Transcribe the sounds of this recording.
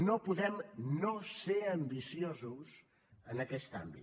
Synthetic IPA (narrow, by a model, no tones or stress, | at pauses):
nopuðɛmnoseəmbisiozus | ənəkɛst̪a̰mbḭ